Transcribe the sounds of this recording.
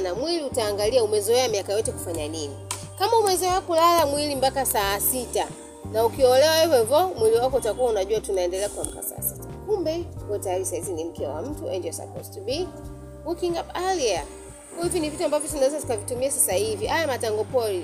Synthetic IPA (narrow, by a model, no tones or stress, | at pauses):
namwiliutaːŋɡaliaumɛzɔɛamiakajɔtɛku̥faɲanini | kamaumɛzɔɛakulalamwilimbakasaːsita̰ | naukiɔlɛwaɛvɔvɔmwiliwakɔutakuwaunaʄuwatunaɛndɛlɛakuam̩ka̰sa̰ːsitḁkumbɛwɛtajaɾisahizinim̩kɛa̰wa̰m̩tuɛ̰nd͡ʒɔsa̰pɔ̰stubi | ukiŋɡapalia | hivinivituambavjɔt̬unawɛzati̥kavitumiasasahiviʔajamataŋɡɔpɔli